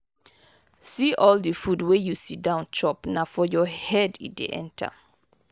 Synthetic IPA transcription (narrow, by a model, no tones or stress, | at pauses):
siʔɔldəfudwejusit̚dãʊ̃nt͡ʃɔpnafɔjɔhɛdit̚dḛʔɛ̰̃ntʰa̰